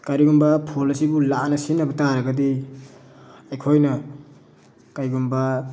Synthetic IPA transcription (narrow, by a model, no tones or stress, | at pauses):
kaɾiɡumbɐpʰolisibulanɐsinːɐbɐtaɾɐɡɐdi | ɐjkʰojnɐ | kajɡumbɐ